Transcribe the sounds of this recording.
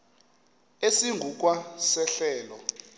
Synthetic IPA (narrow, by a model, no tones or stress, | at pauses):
esiŋɡʱuk̬ʼwasɛɬɛːlɔ